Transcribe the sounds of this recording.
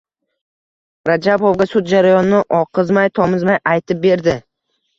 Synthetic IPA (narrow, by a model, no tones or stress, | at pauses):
ɾad͡ʒabovɡʲasʊt̪̚d͡ʒaɾajɒnːɪʔɒqʰɨzmajt̪ʰɒmɪzmajʔajt̪ʰɪp̚be̞ɾd̪ɪ